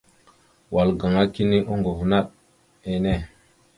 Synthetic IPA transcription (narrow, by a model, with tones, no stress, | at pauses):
wa˨lɡa˨ŋa˦ki˦ni˦ʔo˦ŋɡo˨vna˦ɗ | e˦ne˦˨